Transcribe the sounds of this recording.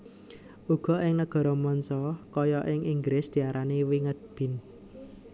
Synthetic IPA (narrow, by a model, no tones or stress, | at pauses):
ʔuɡ̥ɔ̤ʔɪŋnəɡ̥ɔ̤ɾɔmɔnsɔkɔjɔʔɪŋʔiŋɡɾɪsd̪̥i̤aɾʔaniwiŋət̪̚b̥ɪ̤n